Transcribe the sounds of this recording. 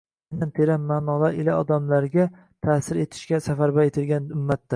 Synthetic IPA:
nant̪ʰeɾamːaːnɒlˠaɪlaɒd̪amlaɾɡʲa | t̪ʰaːsɪɾe̞t̪ʰɪ̥ʃkʲasafaɾbaet̪ʰɪlɡʲanʊmːat̪ːa

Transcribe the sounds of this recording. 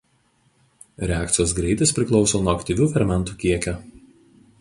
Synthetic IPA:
ɾʲɛæːˑkt̪sʲɪjoːsɡɾʲɛɪt̪ʲɪspʲɾʲɪklˠɒʊsoːnuɔɐkt̪ʲiʋʲuːfʲɛɾʲmʲɛnt̪uːkʲiɛkʲo

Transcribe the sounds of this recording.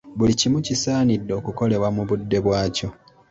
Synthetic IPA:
βulicimucisaːnidːo̞ːkuko̞le̞βwamuβudːe̞βwaːco̞

